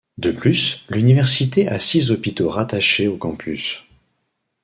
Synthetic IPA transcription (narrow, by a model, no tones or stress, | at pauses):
d̪əplyslynivɛʁsit̪eʔasizɔpit̪oʁat̪aʃeokɑ̃pʰys